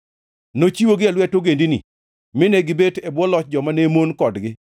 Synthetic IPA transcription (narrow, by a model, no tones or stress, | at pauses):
not͡ʃiwoɡɪalwɛtoɡendinɪ̰ | mɪnɛɡɪbetebwɔlɔt͡ʃ̚d͡ʒɔmanemonkɔdɡɪ